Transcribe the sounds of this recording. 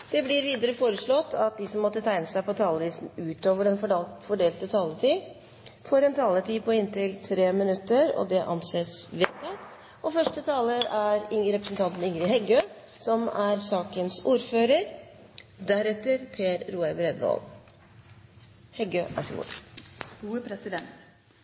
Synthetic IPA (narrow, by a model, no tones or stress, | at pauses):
d̪̥ɛblɪɾʋiːd̪əɾəfoːɾəʂɭɔt̪ːɑt̪̚d̪ɪsɔmːɔt̪ːət̪ʰæɪnəsæɪpɔt̪ʰɑːləʋiːsnʉːt̪oːʋəɖɛnfɔɖeːlt̪ət̪ʰɑːlət̪ʰiː | fɔɾɛnt̪ʰɑːlət̪ʰiːpʰɔɪnt̪ɪlt̪ʰɾeːmɪnʉt̪ːəɾɔ̰d̪ɛʔɑnseːsʋeːt̪ɑ | ɔfœʂʈət̪ʰɑːləɾæɾɪɾɛpɾəsn̩t̪ʰɑnt̪n̩ɪŋɾɪɦhɛɡøː | sɔmæɾsɑːkənsuːɾføːɾəɾ | d̪æɾɛt̪ːəɾpʰeːɾɾuːəbɾɛd̪ʋo̰l | hɛɡøːʔæ̰ʂṵː | uːəpʰɾɛsɪd̪ɛnt̪